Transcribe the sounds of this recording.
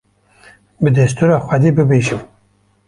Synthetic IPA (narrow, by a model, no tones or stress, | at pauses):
bɨd̪ɛst̪uːɾɑːxʷɛd̪eːbɨbeːʒɨm